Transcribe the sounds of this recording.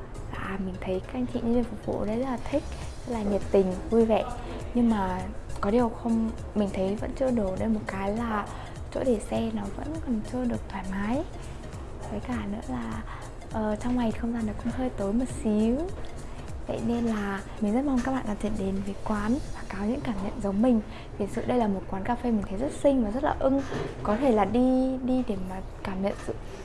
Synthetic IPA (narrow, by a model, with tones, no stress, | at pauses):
la̰ː˧˨˩mï˨˩ŋ̟t̪ʰə˨˦jka˦k̚ʔa˧jŋ̟t͡ɕḭ˧˨ɲ˧nzi˧˩nfʊ˨˩k͡p̚vṵ˧˨ɗə˨˦jzt̚laː˨˩t̪ʰï˦˥k̚ | zə˦˥k̚laː˨˩ɲə˨˩p̚t̪ï˨˩ŋ̟vu˧jvə̰˧˨ | ɲɨ˧ŋmaː˨˩kɔ˨˦ɗi˨˩ə˨˩wxə˧wŋ͡m | mï˨˩ŋ̟t̪ʰə˨˦jvə̰˧˥nt͡ɕɨ˧əɗo˧˩ɗə˧˩jmo˨˩t̚kaː˨˦jlaː˨˩ | t͡ɕo̰˧˥ɗe˧˩sɛ˧nɔ˨˦və̰˧˥nkɔ˨˩nt͡ɕɨ˧əɗɨ˨˩ək̚t̪ʰwaː˧˩jmaː˨˦j | k̪ʰə˨˦jkaː˧˩nɨ̰˧˥əlaː˨˩ | ʔəː˨˩t͡ɕɔ˧wŋ͡mŋa˨˩jxə˧wŋ͡mzaː˧nɔ˨˩jkʊ̰˧˥ŋ͡mɦəː˧jt̪o˨˦jmə˨˩t̚si˨˦w | t̪ʰə̰˧˨ne˧nlaː˨˩ | mï˨˩ŋ̟zə˦˥t̚ma˧wŋ͡mka˦˥k̚ɓa̰ː˧˨ɗaː˧˥t͡ɕḭ˧˨nɗe˨˦nve˨˩kwaː˨˦nvaː˨˩kaː˨˦wɲɨ̰˧˥ŋkaː˧˩mɲə̰˧˨nzə˨˦wŋ͡mmï˨˩ŋ̟ | t̪ʰi˨˩ənsɨ̰˧˨ɗə˧jlaː˨˩mo˨˩t̚kwaː˨˦nkaː˧fe˧mï˨˩ŋ̟t̪ʰə˨˦zə˦˥t̚sï˧ŋvaː˨˩zə˦˥t̚laː˨˩ʔɨ˧ŋkɔ˨˦t̪ʰe˧˩laː˨˩ɗi˧ɗi˧ɗe˧˩maː˨˩ | kaː˧˩mɲə̰˧˨nzɨ̰˧˨